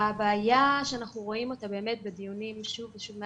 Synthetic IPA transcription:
abeajaʃeanaχnuʁo̞imotabe̞ːme̞t̚bedijunimʃuveʃuvme

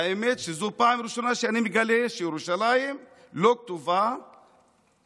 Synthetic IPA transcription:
imet͡ʃizopamiɾuʃanaʃianimikaleʃiɾuʃalaji | lok̚t̪uva

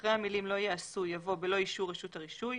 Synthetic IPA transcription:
χʁehamilimlo̞jeasujavo̞belo̞iʃuʁeʃuthaʁiʃuj

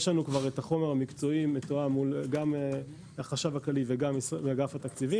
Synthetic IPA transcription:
jeʃlanukvaʁetaχo̞me̞ʁamikt͡so̞imetoamulɡam | aχaʃavaklaliveɡamsaɡafat̪akt͡sivi

